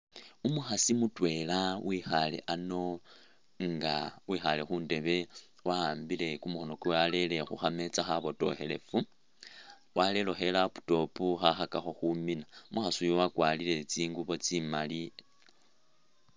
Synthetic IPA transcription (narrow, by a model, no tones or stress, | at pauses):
umuxasimutwe̞lawʔixale̞̰ʔano̞ | ŋɡa̰wixale̞xuːnde̞βe̞ | waaːmbile̞kumuxono̞kuwale̞le̞xṵxame̞t͡saxaβo̞to̞̰xe̞le̞fu | wale̞lo̞xe̞lapu̥to̞puxaxakaxo̞xuminaumʔuxasujowakwaːlile̞t͡siːŋɡuβo̞t͡simali